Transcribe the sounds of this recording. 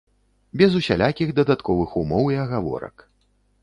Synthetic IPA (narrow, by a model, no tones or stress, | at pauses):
bʲɛzusʲa̰lʲʔakʲiɣd̪ɐd̪at̪kɔvɨxumɔwiɐɣavɔ̰ɾɐ̰k